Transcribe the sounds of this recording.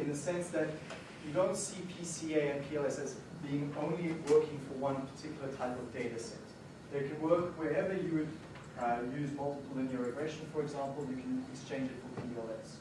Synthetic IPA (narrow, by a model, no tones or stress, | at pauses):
ɨ̃nðɨsɛ̃nsðɨt | jɨdõʊ̃ntsipʰisieɪɨ̃npʰiɛlˠɛsɛts | b̥iɪ̃ŋõʊ̃nliwɜˑ˞kɪ̃ŋfə˞wʌ̃npʰə̥tʰɪkʰjl̩ˠətʰaɪpʌvdeɪɾɨsɛ̰̃t | ðəkʰɨ̃nwɜˑ˞kwɛɹɛvə˞jɨwɨd | jʉːzmʌlˠtəpl̩ˠɪ̃njəɹɨɡɹɛʃə̃nfə˞ɨɡzæ̃mpl̩ˠjɨkʰɨ̃nɪkst͡ʃʰẽɪ̃nd͡ʒɨtfə̃pʰiɛlˠɛs